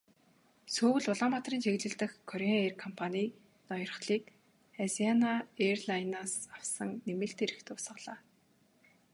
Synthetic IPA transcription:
suːwɘ̆ɮʊɮɔmat̪riːnt͡ɕʰeɣɮɘ̆ɬt̪ɘ̆xkʰːɔɾeerkʰɔmpʰaniː | nɔjɞ̆rχɮiːk | azianaerɮajnaːsaw̥sə̆ŋnemɘ̆ɬt̪eɾɘ̆xt̪ʰʊːsə̆χɮaː

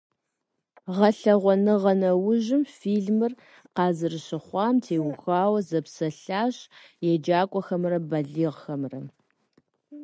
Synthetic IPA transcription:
ʁɐɬɐʁʷɔnɨʁɐnɐwʊʑɪmfiːɮmɨr | qɑːzɨrɨɕɪχʷɑːmtʰeːwʊxaːwɐzɐpsɐɬaːɕjɛd͡ʒaːkʷʼɔxɐmrɐbɐɮiːʁxɐmrɐ

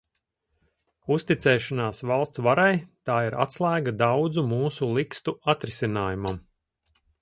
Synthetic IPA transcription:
ust̪it̪sɛːʃanaːsvalˠst̪svaɾajt̪aːiɾa̰t̪slˠæːɡad̪awd̪zumuːsulˠikst̪uat̪ɾisinaːjumam

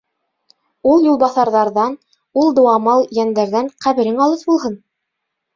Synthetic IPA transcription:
ulˠjulˠβɑθɑɾðɑɾðɑn | ulˠd̪ŏwɑmɑlˠjænd̪æɾðæŋqæβɘ̆ɾɘŋɑlˠɤθbulˠɦɤn

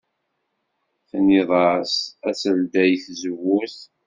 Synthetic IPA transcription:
θniðˤɑɾsæsəld̪æjθzəwːuθ

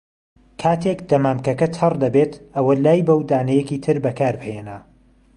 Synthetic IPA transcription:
kʰaːt̪ʰekd̪̥ɐmaːmkɐkɐt̪ʰɐrd̪ɐbeːt̪ʔɐwɐlaːjbɐwd̪aːnɐjɛkiːt̪ʰɨɾbɐkʰaːɾbɨhenɐ

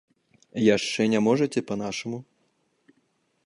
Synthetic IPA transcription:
jaʂt͡ʂɛnʲamɔʐɐt͡sʲɛpɐnaʂɐmu

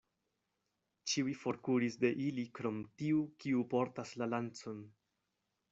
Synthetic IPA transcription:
t͡ʃiwifo̞ɾkuɾisde̞ʔilikɾo̞mtiukiupo̞ɾtaslalant͡so̞n

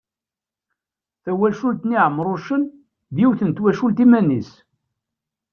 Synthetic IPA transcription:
θæwælʃult̪niʕəmːɾˤʊʃən | ðjiwθənt̪wæʃult̪imænis

